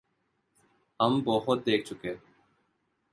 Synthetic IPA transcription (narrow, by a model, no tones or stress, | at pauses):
əmbɔːɦʊt̪̚d̪eːk̚ʰt͡ʃʊkẽː